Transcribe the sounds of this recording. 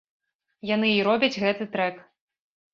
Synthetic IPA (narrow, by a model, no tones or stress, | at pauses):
janɨiɾɔbʲɐd͡zʲɣɛt̪ɨt̪ɾɛk